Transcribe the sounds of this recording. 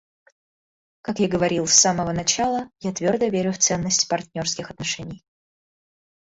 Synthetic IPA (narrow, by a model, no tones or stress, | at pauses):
kakjaɡəvɐɾʲilˠsːaməvənɐt͡ɕalˠəjat̪vʲo̞rd̪əvʲeɾʲʊft̪sɛnːəsʲtʲpɐrt̪ʲnʲo̞rskʲɪxɐt̪nɐʂɛnʲɪj